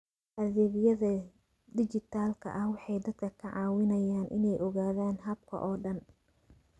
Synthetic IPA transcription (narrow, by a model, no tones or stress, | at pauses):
ʔɐðɛβɪjɐðɐ | d̪ɪt͡ʃɪt̪ʰaːlkʰɐ̰ʔɐhwɑħɑjd̪ɐd̪̥kʰɐkʰɐʕɑːwɪnɐjaːnʔɪ̰nɛjʔɔɣaːðaːnɦɐb̚kʰɐ̰ʔɔːɖɐn